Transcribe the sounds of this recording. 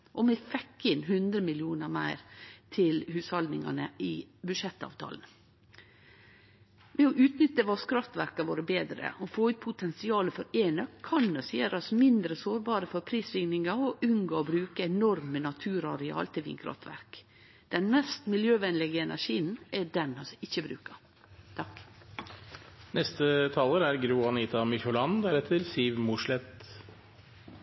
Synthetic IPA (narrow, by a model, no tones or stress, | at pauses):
ʔɔmɛfɛkːɪnhʉnd̪ɾəmɪljuːnəɾmæɪɾt̪ʰɪlhʉːshɑld̪nɪŋɑ̰nəɪbʉʃɛt̪ːɑ̰ːʋt̪ʰɑ̰ːln̩ | ʋɛɔʔʉːt̪nʏt̪ːəʋɑskɾɑft̪ʋæɾkɑʋoːɾəbeːd̪ɾə̰ɔfoːʉːt̪̚pʰʊt̪ʰɛnsɪɑːləfɔɾeːnəkkʰɑnːœseːɾɑsmɪnd̪ɾəsoːɾbɑːɾəfɔɾpʰɾiːsɾɪŋnɪŋɑɔʔʉŋɡoːɔbɾʉːkəɛnɔɾmənɑt̪ʰʉːɾɑ̰ɾɛɑ̰ːlt̪ʰɪlʋḭːnkʰɾɑ̰ft̪ʋæ̰ɾk | d̪̥ɛnmɛst̪mɪljøːʋɛnlɪɡəɛnʔæ̰ʂiːnɛɖɛnɑsɪçːəbɾʉ̰ːkəɾ | t̪ʰɑk | nɛst̪ət̪ʰɑːləɾæɾɡɾuːɑniːt̪ɑmɪçɔlɑnd̪æɾɛt̪ʰːəlsiʋmʊʂlɛt̪